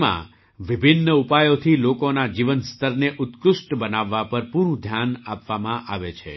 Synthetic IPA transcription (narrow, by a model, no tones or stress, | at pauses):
mã̰ | ʋibʱɪnːəupajot̪ʰilokonad͡ʒiʋənst̪ʰəɾneʔʊt̪kʊʃʈbənaʋːapəɾpuɾũd̪ʱjanapʋamãʔaʋet͡ʃʰḛ